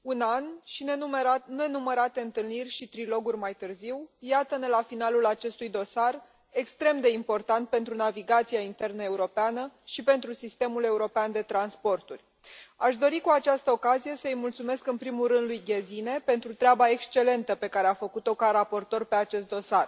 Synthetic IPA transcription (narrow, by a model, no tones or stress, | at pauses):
unanʃinene̞numəɾat̪e̞ɨnt̪ɨlnirʲʃit̪ɾilo̞ɡurʲmajt̪ɨrziwjat̪əne̞lafinalulat͡ʃe̞st̪ujd̪o̞sar | e̞kst̪ɾe̞md̪e̞impo̞rt̪ant̪̚pe̞nt̪ɾunaviɡat̪sijaint̪e̞rnəe̞uɾo̞peanəʃipe̞nt̪ɾusist̪e̞mule̞uɾo̞peand̪e̞t̪ɾanspo̞rt̪urʲ | aʃd̪o̞ɾikuat͡ʃast̪əo̞kazije̞səɨjmult̪sume̞skɨnpɾimulɾɨnd̪lujɡʲezine̞pe̞nt̪ɾut̪ɾeabae̞kst͡ʃe̞le̞nt̪əpe̞kaɾeafəkut̪o̞kaɾapo̞rt̪o̞rpe̞at͡ʃe̞st̪̚d̪o̞sar